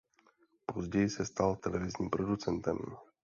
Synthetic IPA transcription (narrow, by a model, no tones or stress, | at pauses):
po̞zɟɛjɪsɛst̪alt̪ɛlɛvɪzɲiːmpɾo̞dut͡sɛnt̪ɛ̰m